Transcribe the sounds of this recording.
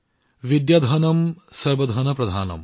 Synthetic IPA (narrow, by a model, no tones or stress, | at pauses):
ʋid̪jɐd̪ʱɐnɐmsɐɾʋɐd̪ʱɐnɐpɾɐd̪ʱaːnɐ̰m